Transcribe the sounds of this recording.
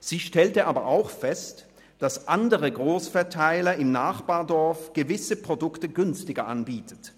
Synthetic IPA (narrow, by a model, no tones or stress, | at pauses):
z̥iːʃtɛltəʔaːbɐʔaʊxfɛst | d̥asʔandəʁəɡʁoːsfɛɐtʰaɪlɐɪmnaːχb̥aːɐdɔɐfɡ̥əvɪsəpʁ̥odʊktəɡʏnstɪɡɐʔa̰nbiːtʰə̥t